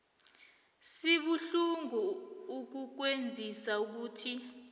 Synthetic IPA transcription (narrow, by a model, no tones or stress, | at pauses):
siɓuɬuŋuuk̬uk̬wend͡zʱisauk̬uːtʰi